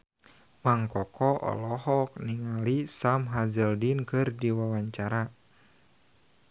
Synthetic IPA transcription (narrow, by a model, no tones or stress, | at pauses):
maŋkɔkɔʔɔ̰lɔhɔk̚niŋalisamɦazəldinkɨrdiwawaɲt͡ʃaɾa